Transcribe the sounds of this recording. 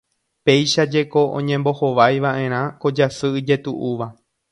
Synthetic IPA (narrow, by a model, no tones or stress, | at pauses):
pe̞jʃad͡ʒe̞ko̞ʔõ̰ɲẽ̞mbo̞ho̞ʋajʋaʔẽ̞ɾ̃ãko̞d͡ʒasɨɨd͡ʒe̞t̪uʔuʋa